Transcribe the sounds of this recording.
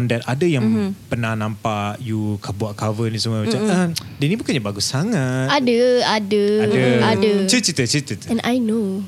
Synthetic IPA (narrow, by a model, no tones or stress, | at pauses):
ndɛt̪̚adəjaŋŋpənahnãmpaʔjukʰabuaʔ̚kavənis̬əmuamat͡ʃaməmdɛnĩbukanɲabaɡusːaŋat̪adəadəadəadət͡ʃət͡ʃit̪ət͡ʃit̪ət̪ɛ̃nʔajno